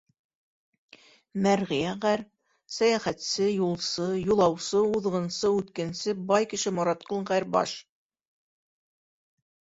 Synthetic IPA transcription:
mæɾʁɘ̆jæʁæɾ | sæjæχæt̪sɘjulˠsɤjulˠɑwsɤuðʁɤ̆nsɤʉt̪kænsɘbɑjkɘ̆ʃɘmŏɾɑt̪qolˠʁæɾbɑ̰ʃ

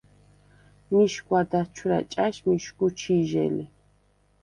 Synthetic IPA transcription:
miʃkʷʼwad̪at͡ʃʰuɾa̰t͡ʃʼaʃmiʃkʼut͡ʃʰiʒɛ̰li

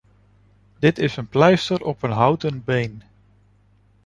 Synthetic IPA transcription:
dɪtɪsənplɛjstəɾɔpənɦʌwtənbejn

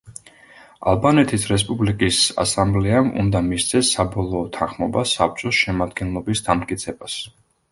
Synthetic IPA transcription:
a̰lˠbanɛt̪ʰisɾɛspʼublikʼisa̰samblɛamṵnd̪amist̪sʰɛsːabɔlˠɔːt̪ʰanχmɔbasap̚t͡ʃʼɔsʃɛmad̪ɡɛnlˠɔbisd̪amt̪̚kʼit̪sʰɛbas

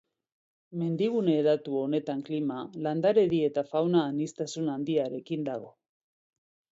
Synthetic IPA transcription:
me̞nd̪iɣ̞une̞ːɾat̪uo̞ne̞t̪aŋklimaland̪aɾe̞ðie̞t̪afawnaːnist̪asunand̪iaɾe̞kind̪aɣ̞o̞̰

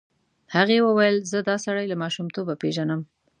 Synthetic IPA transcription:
haɣewəwajəlzəd̪ɑsaɽajlamɑʃumt̪obapeʒanəm

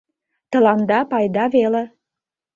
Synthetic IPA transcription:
t̪ə̆lɑnd̪ɑpɑjd̪ɑvele

